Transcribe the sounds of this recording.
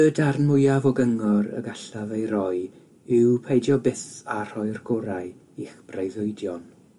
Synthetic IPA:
ədarnmʊjavɔɡəŋɔɾə̰ɡaɬavejɾɔj | ɪwpʰejdjɔbɪθar̥ɔjrɡɔɾaj | iχb̥rejðʊjdjɔn

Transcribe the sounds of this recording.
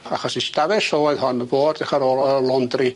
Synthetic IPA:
aχɔsistavɛsɔɔɨðhɔnəboːddɛχaɾoːlˠəlˠɔndri

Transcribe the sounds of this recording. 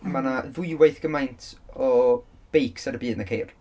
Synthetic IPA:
manaðʊɨwajθɡ̥əmajntʰɔ | b̥ejkʰsaɾəbiːdnakʰejr

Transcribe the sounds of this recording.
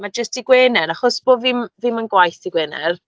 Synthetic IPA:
mad͡ʒəstiɡweːnɛɾaχɔsb̥oːvɪmvɪmənɡwajθiɡwɛːnɛ̰r

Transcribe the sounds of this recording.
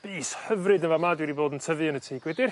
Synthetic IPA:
b̥iːshəvrɨdənvamadwɛdiboːdəntʰəvɨənətʰiːɡ̥wɛdɪr

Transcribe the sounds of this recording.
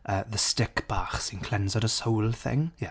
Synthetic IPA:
ʔəðəstɪkb̥aχsɪ̃nkʰl̥ɛ̃nzəɾəsoʊlˠθɪ̰̃ŋjɛ

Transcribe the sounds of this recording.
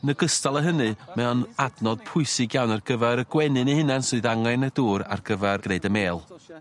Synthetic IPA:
nəɡəstalˠəɦənɨmɛɔnadnɔd̥̚pʰʊɨsɪɡjawnarɡ̥əvɛɾəɡ̥wɛnɨnihɪnansʊɨðaŋajnəduːɾa̰rɡ̥əvɛrɡ̥reːdəmeːlˠ

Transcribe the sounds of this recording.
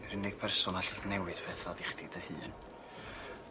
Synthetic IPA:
ɾɪnɪɡ̥̚pʰɛrsɔnaɬɪθnɛwɨd̥pʰɛθɔdɪχdɪdəhɨːn

